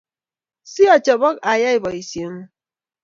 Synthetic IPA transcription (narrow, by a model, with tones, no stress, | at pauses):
si˦ɔ˨t͡ʃɔ˨bɔ˦ka˨ja˦i˨bɔ˨i˨sjə˨˦m